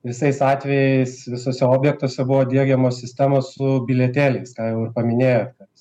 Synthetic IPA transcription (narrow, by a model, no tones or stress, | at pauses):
ʋʲɪsɐɪsɑːt̪ʲʋʲɛjɛɪɪsʋʲɪsoːsʲɛoːbʲjɛk̚t̪uɔsʲɛbʊʋoːd̪ʲiɛɡʲɛmoːsʲɪsʲt̪ʲæmoːssʊbʲɪlʲɛt̪ʲeːlʲɛɪskɑːjɛʊɪrpɐmʲɪnʲeːjoːt̪kɐ